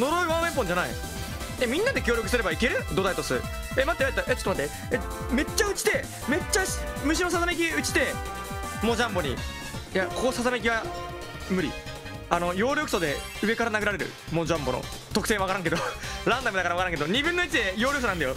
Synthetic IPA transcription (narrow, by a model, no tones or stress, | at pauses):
no̞ɾoɾɯ̟βãme̞mp̬õ̞ɲ̟d͡ʑanaḭ | emʲĩnːad̪e̞kʲo̞ːɾjo̞kɯ̟sɨɾe̞baike̞ɾɯ̟d̪o̞d̪ait̪osɨɾɯ̰ | emat̪ːeaɾet̪ːaʔet͡ɕot̪omat̪ːe | e | me̞t͡ɕːaɯ̟t͡ɕi̥t̪e̞ | me̞t͡ɕːamɯ̟ɕ̬ino̞sazame̞k̬ʲiɯ̟t͡ɕi̥t̪e̞ | mod͡ʑãmbo̞ɲ̟ḭ | jako̞kosazamek̬ʲiβa | mɯ̟ɾʲḭ | ano̞jo̞ːɾʲjo̞kɯ̟̥so̞d̪e̞ | ɯ̟e̞kaɾanaɡɯ̟ɾaɾe̞ɾɯ̰ | mod͡ʑãmbo̞no̰ | t̪o̞kɯ̥t̪e̞ːβakaɾãŋked̪oɾãnd̪amd̪akaɾaβakaɾãŋked̪o̞ɲ̟ibɯ̃nːoit͡ɕid̪e̞jo̞ːɾʲokɯsonand̪ajo